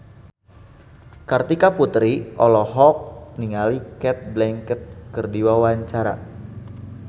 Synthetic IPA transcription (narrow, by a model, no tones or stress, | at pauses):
kart̪ikaput̪ɾiʔɔlɔɦɔk̚niŋalikɛt̪̚blɛŋkət̪̚kərdiwawaɲt͡ʃaɾa̰